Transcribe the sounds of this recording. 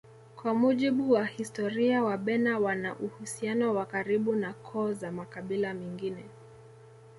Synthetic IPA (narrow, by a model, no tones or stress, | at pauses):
kwamuʄiɓuwahistɔɾiawaɓɛnawanaʔuhusianɔwakaɾiɓunakʰɔːzamakaɓilamɛŋɡinɛ